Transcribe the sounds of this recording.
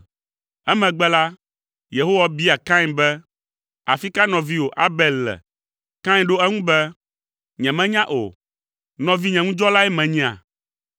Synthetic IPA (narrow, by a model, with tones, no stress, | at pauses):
ɛ˦mɛ̃˨ɡ͡bɛ˦la˦ | je˨ɦo˦wa˨bi˦a˨kã˦ɲ˨bɛ˦ | a̰˨fi˦ka˦nɔ̃˨vi˦wo˨ʔa˦bɛ˦˨lːɛ̰˨ | kã˦ɲ˦ɖo˦ɛ˦ŋũ˦bɛ˦ | ɲɛ̃˨mɛ̃˦ɲã˦ʔo̰˨ | nɔ̃˨vi˦ɲɛ̃˨ŋũ˦d͡ʒɔ˦la˦ɛ˦mɛ̃˨ɲɛ̃˨a̰˨